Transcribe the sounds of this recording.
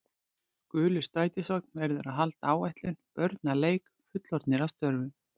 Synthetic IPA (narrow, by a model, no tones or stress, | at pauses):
kʏːlʏ̥st̪aːjt̪ɪsɔk̚n̥vɛɾðʏɾaðɦalt̪aaːwɛjht̪lʏnpœɾt̪naleːjk | fʏt̪lɔɾt̪nɪɾast̪œɾvʏ